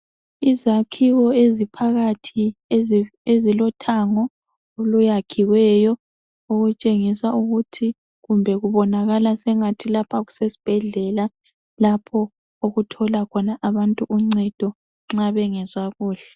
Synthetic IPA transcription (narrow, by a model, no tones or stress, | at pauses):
izakʰiɣɔezipʰaɣatʰi | ezilɔtʰaŋɔ | olujakʰiwɛjɔ | oɣut͡ʃʼeŋisauɣutʰi | ɣumbʱɛɣuβɔnaɣalasɛŋatʰilapʰaɣu̥sesi̥b̥ʱɛɮɛla | lapʰɔ | oɣutʰɔlakʰɔnaʔaβantʼuʔuŋ͡ǀɛd̥ʱɔ | ŋ͡ǁaβɛŋɛzwaɣuːɬɛ